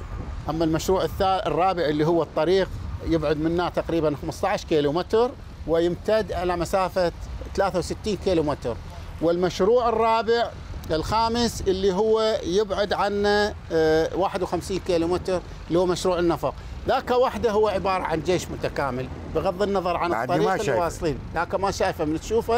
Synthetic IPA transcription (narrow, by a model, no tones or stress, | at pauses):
ʔamːalmaʃɾuːʕɪθːaːʔrˤːɑːbɪʕʔɪlːiɦʊwːat̪ˤːɑɾiːqjɪbʕʊd̪mɪnːat̪aqɾiːbanxamst̪ˤɑʕaʃkiːlumɪt̪ɾ | wɪjɪmt̪ad̪ʔalamasaːfaθalaːθawsɪt̪ːiːnkiːlumɪt̪ɾ | wɪlmaʃɾuːʕɪrˤːɑːbɪʕ | ɪlxaːmɪsʔɪlːiɦʊwːajɪbʕʊd̪ʕanːa | waːħɪd̪wxamsiːnkiːlumɪt̪ɾ | lhuːmaʃɾuːʕɪnːɑfɑqðaːkawaħd̪aɦʊwːaʕɪbɑːɾˤɑ̰ʕa̰nd͡ʒeːʃmʊt̪akaːmɪl | bɪɣɑðˤːɨnːɑðˤɑɾˤʕant̪ːɑɾɪlːwɑːsˤt̪ˤiːnðaːkamaʃaːjfamɪnt̪ʃuːfa